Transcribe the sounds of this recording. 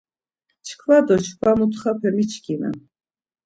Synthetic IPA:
t͡ʃʰkʰvad̪ɔt͡ʃʰkʰvamut̪ʰχapʰɛmit͡ʃʰkʰimɛ̰

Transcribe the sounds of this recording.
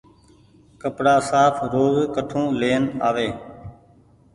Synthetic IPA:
kəpɽaːsaːpʰɾoːzkəʈʰõːleːənaːʋeː

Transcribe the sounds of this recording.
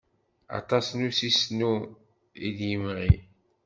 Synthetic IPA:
ɑ̰t̪ˤɑsnusisnu | ḭd̪jəmʁi

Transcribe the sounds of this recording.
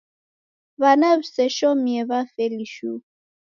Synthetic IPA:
βanaβsɛʃɔmiɛβafɛliʃu

